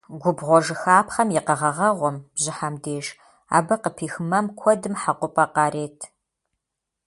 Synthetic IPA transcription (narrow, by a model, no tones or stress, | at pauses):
ɡʷʊbʁʷɔʒɨxaːpχɐmjɪqɐʁɐʁɐʁʷɔmb̥ʑɪħamdeːʒ | a̰ːbɐqəpʰiːxɨmɐmkʷʰɔdɨmħaqʷʊpʼɐqɑːɾeːtʰ